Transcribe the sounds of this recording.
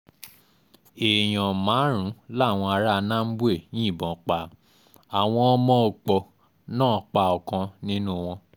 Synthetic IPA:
e˨j̃ɔ̃˨mãː˨˦ɾ̃ũ˨˦la˦˨w̃ɔ̃˧a˧˦ɾa˦nã˦m̩˦bu˦e˦˨nĩ˦i˦˨bɔ̃˨k͡pa˨ | a˨w̃ɔ̃˧˦mɔ̃˦˧˨k͡pɔ˧˨ | nãː˦˨˦k͡pa˧˨ɔ˨kã˧nĩ˦nũ˦w̃ɔ̃˧

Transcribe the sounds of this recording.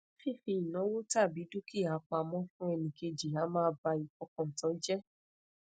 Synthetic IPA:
fi˦˨fi˧i˨nã˨˦wo˦ta˦˨bi˨˦du˦ki˦˨a˨˧k͡pa˧mɔ̃˦fũ˦ɛ˧nĩ˨ke˧d͡ʒi˨a˨˦mãː˦ba˧i˨fɔ˧kɔ̃˨tɔ̃˨˦d͡ʒɛ˦

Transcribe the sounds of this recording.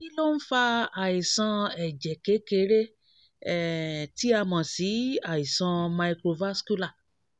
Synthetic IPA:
i˦lo˦n̩˦fa˧a˨i˨sã˧ɛ˨d͡ʒɛ˨ke˨˦ke˨˦ɾe˦ | ɛ˨ti˨˦a˧mã˨si˨˦a˨i˨sã˧ma˧i˧kɾo˧va˦sku˦la˦˨

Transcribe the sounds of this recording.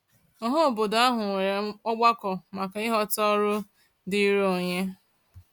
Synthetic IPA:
ɔ˨ɦo˦˨bo˨da˦ɦʊ˨ŋʷe˨ɾe˨ɔ˦ɡ͡ba˦kɔ˨ma˨ka˨ɪ˦ɦɔ˦tɔ˦ɾʊ˦ | di˦ɾo˨ɲe˦

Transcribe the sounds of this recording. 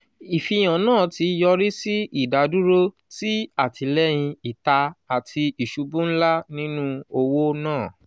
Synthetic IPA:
i˨fi˨˧˨j̃ã˨nãː˦˨ti˨˧jɔ˧ɾi˦si˦i˦˨da˨˧du˦ɾo˦ | ti˦a˦˨tʰi˧lɛ˦j̃ĩ˧i˨ta˧a˨tʰi˧i˨ʃu˧˦bũ˦n̩˦la˦nĩ˦nũ˦o˧wo˦nãː˦˨

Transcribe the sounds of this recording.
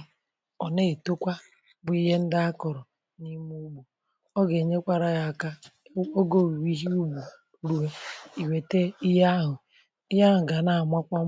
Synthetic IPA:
ɔ˨ne˦i˨to˦kʷa˦ | bʊ˨i˦ɦe˦n̩˦da˦a˦kɔ˨ɾɔ˨ | ni˦mu˦ɡ͡bu˨ | ɔ˦ɡe˨ɲe˦kʷa˦ɾa˨ja˨ka˦ | o˦ɡo˦˨wi˨wi˦ɦi˦u˦bu˨ | ɾu˦ɦe˦i˨we˨te˦i˦ɦa˦ɦʊ˨ | i˦ja˦ɦʊ˨ɡa˨na˨mʷa˦kʷa˦

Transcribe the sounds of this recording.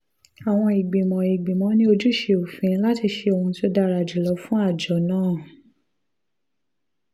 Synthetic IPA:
a˨w̃ɔ̃˧i˨ɡ͡bĩ˨mɔ̃˨i˨ɡ͡bĩ˨mɔ̃˨˦nĩ˦o˧d͡ʒu˦ʃe˧o˨fĩ˨˧˦la˦ti˧ʃe˧o˧hũ˧ti˦o˦da˧ɾa˨d͡ʒi˨lɔ˧fũ˦a˦˨d͡ʒɔ˨˦nãː˦˨

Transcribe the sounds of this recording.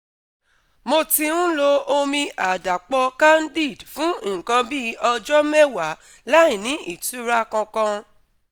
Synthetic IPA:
mo˧ti˧ũ˦lo˧o˧mĩ˧a˨da˨k͡pɔ˧ka˦n̩˦di˦˨dfũ˦˨kã˧bi˦ɔ˧d͡ʒɔ˦mɛ˦wa˨˦ | la˦ĩ˨nĩ˨˦ʔi˦˨tu˨˦ɾa˦kɔ̃˧kã˧

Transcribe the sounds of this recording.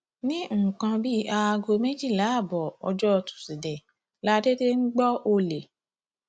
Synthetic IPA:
nĩ˦˨kã˧bi˦ʔa˧a˧ɡo˧me˦d͡ʒi˦˨la˨˦˨bɔ˨ɔ˧d͡ʒɔ˦˧tu̥˨si˨dɛ˨ | la˦de˦de˦ŋ̩˦ɡ͡bɔ˦o˧le˨

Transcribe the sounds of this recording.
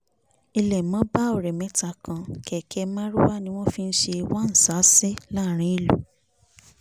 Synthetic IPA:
i˧lɛ˨mɔ̃˦ba˦o˨ɾɛ˨mɛ̃˨˦ta˧kã˧kɛ˨kʰɛ˧mã˦ɾu˦wa˦nĩ˧˦w̃ɔ̃˦fi˦n̩˦ʃe˧i˧wa˦n̩˨sa˨˦se˦la˦˨ɾ̃ĩ˨˦i˧˨lu˨

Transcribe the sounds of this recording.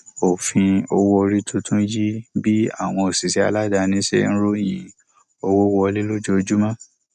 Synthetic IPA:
o˨fĩ˧o˧wɔ˧ɾi˦tʰũ˦tʰũ˦d͡ʒi˦bi˦a̰˦˨w̃ɔ̃˧o˨si˨si˨˦a̰˧la˦da˧nĩ˦ʃḛ˦n̩˦ɾo˦˨jĩ˨ | o˧wɔ˦wɔ˧li˦lo˦d͡ʒo˦o˧d͡ʒu˦mã˦

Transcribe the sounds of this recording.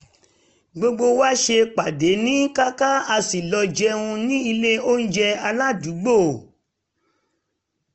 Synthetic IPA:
ɡ͡bo˧ɡ͡bo˧wa˦ʃe˧k͡pa˨de˨˦nĩ˦ka˦ka˦a˧si˨lɔ˧d͡ʒɛ˧˦ũ˧nĩ˦i˧le˦o˦n̩˦d͡ʒɛ˧a˧la˦du˨˦ɡ͡bo˦˨

